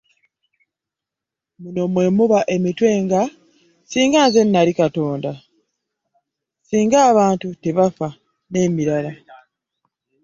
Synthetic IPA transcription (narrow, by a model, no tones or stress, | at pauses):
muno̞mwe̞muβaʔe̞mitwe̞ːŋɡa | siːŋɡaːnze̞nːalikato̞ːnda | siːŋɡaːβaːntute̞βafa | ne̞ːmiɾala